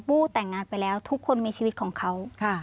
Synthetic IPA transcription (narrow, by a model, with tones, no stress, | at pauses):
puː˥˩t̪ɛː˨˩ŋːaː˧npa˧jlɛː˦˥wt̪ʰu˦˥kʰːo˧nmiː˧t͡ɕʰiː˧wi˦˥t̪̚kʰɔː˩˦ŋkʰa˦˥wkʰa˥˩